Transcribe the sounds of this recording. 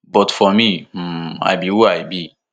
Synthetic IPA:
bɔtfɔmi | a̰jbiwuajbi

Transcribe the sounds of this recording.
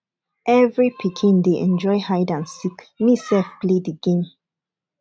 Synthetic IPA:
ʔɛvɹipʰikʰĩndeʔɛ̃nd͡ʒɔɪhaɪdãnsikmisɛlfpledəɡẽm

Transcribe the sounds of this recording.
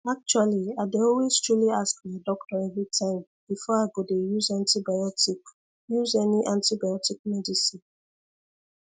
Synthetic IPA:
ak̚t͡ʃualiadeɔlwezstɹuliaskmaɪdɔk̚tɔɛvɹitʰãɪ̃m | b̥ifɔaɪɡodejuzãntibajɔtik | juzɛniʔãntibajɔtik̚mɛdisĩn

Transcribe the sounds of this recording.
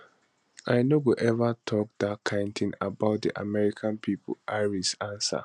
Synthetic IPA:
ʔaɪnoɡuʔɛvatʰɔk̚d̪akʰãntʰĩnabaʊt̚dḭʔa̰mɛɹikʰãnpʰipo̰ʔaɪɹisãnsa̰

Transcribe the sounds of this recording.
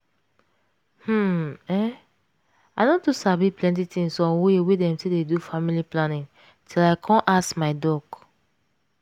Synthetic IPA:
hm̩ɛ | aɪnɔ̃dusabiplɛ̃nt̬itĩŋsɔ̃nwewedɛ̃mtededufamiliplanĩŋ | tʰilaɪkʰɔ̃nʔaskmaɪdɔɡ

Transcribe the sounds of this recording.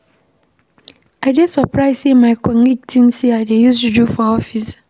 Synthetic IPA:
adesɔpʰɹaɪsimajkɛŋik̚tʰinsiadejuztud͡ʒufɔɔfis

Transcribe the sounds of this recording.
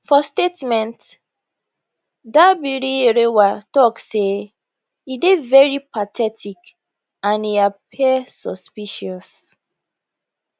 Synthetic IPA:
fɔstetmɛ̃nt | dabiɾiɹewatɔkse | idevɛɹipatʰɛtʰik | ãniap̚ʰiɛsɔspiʃɔs

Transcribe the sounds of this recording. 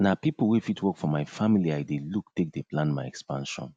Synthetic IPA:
napipl̩ˠwufitʰwɔkfɔmajfamiliajdeluktek̚deplãnmaɪɛkspãnʃɔ̰̃n

